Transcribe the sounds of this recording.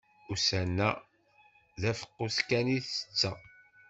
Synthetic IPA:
usænːæ̰ | ðæfə̥qːuskæniθə̥t͡sːæ

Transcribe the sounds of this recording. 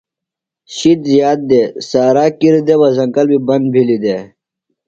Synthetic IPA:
ɕit̪zjaːt̪̚d̪eːsaːɾaːkiɾid̪ewɐzɐŋkɐlbibɐnd̪̚bʱilid̪eː

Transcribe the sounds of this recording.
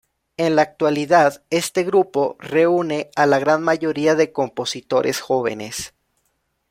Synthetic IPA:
e̞nlaːk̚t̪waliðaðe̞st̪e̞ɣɾupo̞re̞une̞alaɣɾanmaʝo̞ɾiaðe̞ko̞mpo̞sit̪o̞ɾʔe̞̰sxo̞β̞e̞̰ne̞̰s

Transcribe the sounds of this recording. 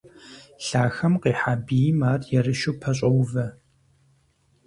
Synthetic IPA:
ɬaːxɐmqiːħaːbijmaːrjɛrɨʃuːpʰɐɕʼɐwvɐ

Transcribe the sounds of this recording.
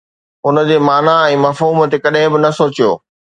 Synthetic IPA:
ʊnə̆d͡ʑeːmaːnaɛ̃ːmɐfɦuːmət̪ekɐɗ̃ɦɪ̃bɪnɐsoːt͡ɕijo̰ː

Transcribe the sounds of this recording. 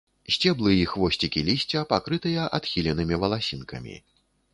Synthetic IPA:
sʲt͡sʲɛblˠɨixvɔsʲt͡sʲikʲilʲisʲt͡sʲɐpakɾɨt̪ɨjɐʔat̪xʲilʲɛnɨmʲivɐlˠasʲinkɐ̰mʲḭ

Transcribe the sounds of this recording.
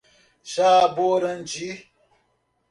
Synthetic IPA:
ʃaboɾənd͡ʒi

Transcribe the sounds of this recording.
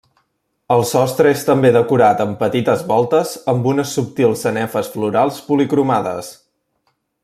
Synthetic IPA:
əlˠsɔst̪ɾəest̪əmbeðəkuɾat̪əmpət̪it̪əzβɔlˠt̪əzəmbunəsːup̚t̪ilˠsənɛfəsfluɾalˠspulikɾumaðə̰s

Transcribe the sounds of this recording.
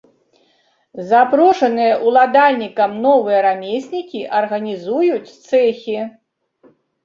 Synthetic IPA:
zapɾɔʂɐnɨjɐʔulˠad̪alʲnʲikɐmnɔvɨjɐɾamʲesʲnʲikʲiʔɐrɣɐnʲizujut͡sʲt̪sɛxʲi

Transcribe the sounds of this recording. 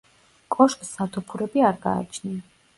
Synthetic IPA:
kʼɔʃkʼsat̪ʰupʰuɾɛbiaɾɡa̰ːt͡ʃʰnɛn

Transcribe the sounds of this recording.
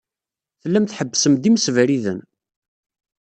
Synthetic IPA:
θəlːæmθħəbːsəmd̪imsvɾiðə̰n

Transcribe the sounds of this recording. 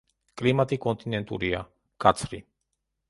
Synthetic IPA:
kʼlimat̪ʼikʼɔnt̪ʼinɛnt̪ʼṵɾia̰ | kʼat̪sʰɾi

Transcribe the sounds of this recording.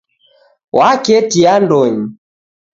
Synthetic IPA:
wakɛtiandɔɲi

